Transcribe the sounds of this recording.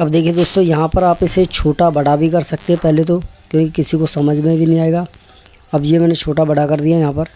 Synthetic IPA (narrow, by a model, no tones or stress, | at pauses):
ɐbd̪eːkʰied̪oːst̪õjɐɦãpɐɾaːpɪset͡ʃʰoːʈabɐɽabʱikɐɾsɐk̚t̪eɦɛpɛɦlet̪̬okjõːkikɪsikosɐməd͡ʒʱmẽbʱinĩaːeːɡaː | ɐbjemɛːnet͡ʃʰoːʈabɐɽakɐɾd̪ijajɐɦãːpɐɾ